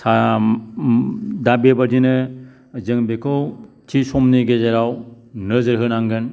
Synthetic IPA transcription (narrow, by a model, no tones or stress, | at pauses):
sʰa | dabebaɾdinɯ | zɯŋbekʰɯw | tʰisɔmniɡezaɾaw | nɯzɯɾɦɯnaŋɡɯn